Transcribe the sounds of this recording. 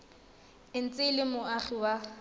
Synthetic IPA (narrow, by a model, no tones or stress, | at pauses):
ɪn̩t͡sʼɪlɪmʊaχiwa